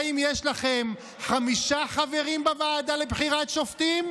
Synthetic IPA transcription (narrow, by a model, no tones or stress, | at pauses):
imjeʃlaχe̞m | χamiʃaχave̞ʁimbavaːd̪alebχiʁatʃoft̪im